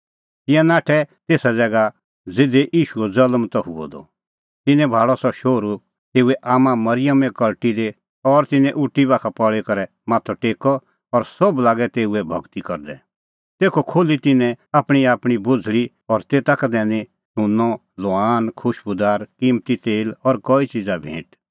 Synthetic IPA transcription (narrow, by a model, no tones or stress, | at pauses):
t̪ɪ̃jãnaːʈʰɛt̪eːsad͡zɛːɡa | d͡zɪd̪eʔiːʃuɛd͡zɐləmt̪ɔɦʊ̰ɔ̰d̪ɔ̰ | t̪ɪnɛ̃bʱaːɽɔsɔʃoːɾu | t̪eːuɛʔaːmãmɐɾɪjəmɛ̃kɐlʈid̪e | ɔɾt̪ɪnɛ̃ʔʊʈːibaːkʰapɔɭekɐɾɛ | maːt̪ʰɔʈeːkɔ | ɔɾsɔblaːɡɛt̪eːuɛbʱɐ̰ɡt̪ikɔɾd̪ɛ | t̪eːkʰokʰoːlit̪ɪnɛ̃aːpɽ̃iaːpɽ̃ibʊd͡zʱɭi | ɔɾt̪eːt̪akad̪ɛːne | ʃʊnːɔ | lɔaːnkʰʊʃbʊd̪aːɾkimt̪it̪eːlɔɾkɔit͡ʃid͡zabʱḛ̃ːʈ